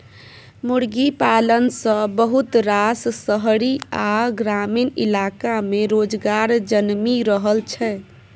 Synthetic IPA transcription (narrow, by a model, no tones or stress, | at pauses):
muɽɡipalənsə̃bəɦut̪ɾassəɦɾiaɡɾaminḭlakameɾod͡ʒɡaɾd͡ʒənmiɾəɦəlt͡ʃʰɛ